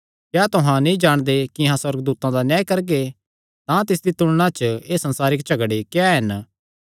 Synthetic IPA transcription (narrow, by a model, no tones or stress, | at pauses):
kjaːt̪ʊɦãnĩd͡ʒaːɽ̃d̪ekiɦãswɐɾɡd̪uːt̪ãd̪anjãːjkɐɾɡe | t̪ãt̪ɪs̬d̪it̪ʊɽ̃ɽ̃ãt͡ʃeːsɐ̃nsaːɾɪkt͡ʃɐɡɽekjaɦɪn